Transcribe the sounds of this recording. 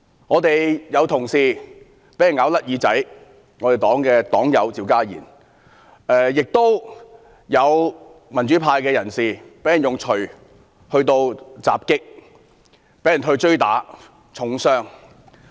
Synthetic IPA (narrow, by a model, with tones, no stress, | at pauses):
ŋɔː˨˧t̪e˨jjɐ˨˧wt̪ʰʊ˨˩ŋsiː˧ | pe˨˥jɐ˨˩nŋaː˨˧wlɐ˥t̚jiː˨˧t͡sɐ˨˥j | ŋɔ˨˧t̪e˨jt̪ɔː˨˥ŋkɛː˧t̪ɔː˨˥ŋjɐ˨˧wt͡siː˨˧wkaː˥jḭː˨˩n | ɛː˨˧jɪ˨k̚t̪o˥w | jɐ˨˧wmɐ˨˩nt͡ʃyː˨˥pʰaː˧jkɛː˧jɐ˨˩nsiː˨˩pe˨˥jɐ˨˩njʊ˨˩ŋt͡ʃʰɵ˨˩ɥ | hɵ˧ɥt̪o˧wt͡sa̰ː˨p̚kɪ˥k̚ | pe˨˥jɐ˨nɦɵ˧t͡ʃɵ˥ɥt̪a̰ː˨˥ | t͡sʰʊ˨˥ŋsœː˥ŋ